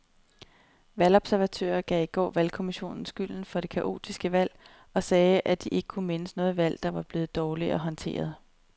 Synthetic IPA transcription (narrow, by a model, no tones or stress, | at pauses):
ʋælɒ̽b̥sæɐʋæt͡sʰø̰ːɐɡ̥ɛ̰iɡ̥ɒ̰ːʋælkʰo̝miɕo̝̰ːnn̩sɡ̥yl̰n̩fɒ̽ɾ̥e̝kʰæʔo̝̰ːt͡sʰisɡ̥əʋæl̰ | ɒ̽sɛːʔæd̥iʔe̝ɡ̥ə̥kʰume̝nəsnɔ̽ːð̩ˠʋæl̰d̥ɑ̈ʋɑ̈b̥le̝ːð̩ˠd̥ɒːliɒ̽ɦɒ̽nt͡sʰe̝̰ːɐð̞ˠ